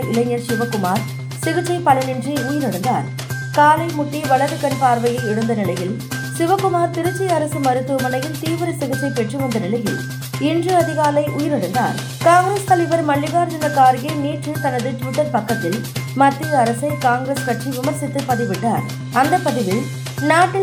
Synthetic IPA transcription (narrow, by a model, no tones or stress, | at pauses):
ɪlɐɪɲːɐɾsɪʋɐkːʊmaːɾ | sɪɣɯt͡ʃːɐɪpɐlɐnɪndriʊjɪɾɪɽɯnd̪a̰ːɾ | kaːlɐɪmʊʈːiʋɐɭɐɾɯkːɐɳpaːɾʋɐjɐɪɪɽɯnd̪ɐnɪlɐjɪl | sɪʋɐkːʊmaːɾt̪ɪɾɯt͡ʃːɐɐɾɐsɯmɐɾɯt̪ːuːmɐnɐjɪnt̪iːʋɪɾɐsɪɣɯt͡ʃːɐɪpɛʈrɯʋɐnd̪ɐnɪlɐjɪ̰l | ɪndrɯɐðɪɣaːlɐɪʔʊjɪɾɪɽɯnd̪a̰ːɾ | kaːŋɡɾeːst̪ɐlɐɪbɐɾmɐɭːɪɣaːɾd͡ʒɐnɐkaːɾɣɐɪniːʈrɯt̪ɐnɐðɯʈʋɪʈːɐɾpɐkːɐt̪ːɪl | mɐt̪ːɯɐɾɐsɐɪkaːŋɡɾespɐʈriʋɪmɐɾsɪt̪ːɯpɐðɪʋɪʈːa̰ːɾ | ɐnd̪ɐpɐðɪʋɪl | naːʈːɪ